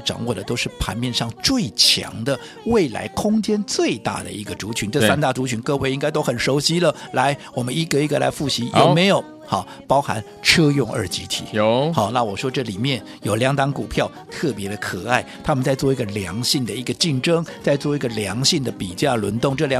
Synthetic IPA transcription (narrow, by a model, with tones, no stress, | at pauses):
ʈ͡ʂɑ̰˨˩ŋwɔ˥˩d̪ə˩t̪o˥ʊʂɻ̩˥˩pʰa̰˧˥nmjɛ˥˧nʂɑ˥˧ŋt͡swe˥˩ɪt͡ɕʰjɑ̰˧˥ŋd̪ə˧ | we˥˩ɪla̰˧˥ɪkʰʊ˥ŋt͡ɕjɛ˥nt͡swe˥˧ɪt̪a̰˥˩d̪ə̰˩i˧˥ɡə˧ʈ͡ʂu˧˥t͡ɕʰy˧˥nʈ͡ʂɤ˥˧sa˥nt̪a˥˩ʈ͡ʂu˧˥t͡ɕʰy˧˥nkɤ˥˧we˥˧ɪi˥ŋka˥ɪt̪̬o˥ʊxə˨˩nʂo˧˥ʊɕi˥lə˨la˧˥ɪwɔ˨˩mə˦ni˧˥ɡə˨i˧˥ɡə˨la̰˧˥ɪfu˥˩ɕi˧˥jʔo˨˩ʊme˧˥ɪjo˨˩ʊ | xɑ˥˩ | pɑ˥ʊxa̰˧˥n | ʈ͡ʂʰɤ˥jʊ˥˧ŋə̰˞˧˥t͡ɕi˧˥t̪ʰḭ˨˩˦xɑ˥˩na˥˩wɔ˨˩ʂwɔ˥ʈ͡ʂɤ˥˩li˨˩mjɛ˥˩n | jo˨˩ʊljɑ˧˥ŋt̪ɑ˧˥ŋku˨˩pʰjɑ˥˩ʊt̪ʰɤ˥˩pjɛ˧˥d̪ə˧kʰɤ˨˩a˥˩ɪt̪ʰa˥mə˨nt͡sa˥˧ɪt͡swɔ˥˩i˧˥ɡə˨ljɑ˧˥ŋɕi˥˩ŋd̪ə˩i˧˥ɡə˧t͡ɕi˥˩nʈ͡ʂɤ˥ŋt͡sa˥˧ɪt͡swɔ˥˩i˧˥ɡə˨ljɑ˧˥ŋɕi˥˩ŋd̪ə˨pi˨˩t͡ɕja˥˩lə̰˧˥nt̪ʊ˥˧ŋʈ͡ʂɤ˥˩lj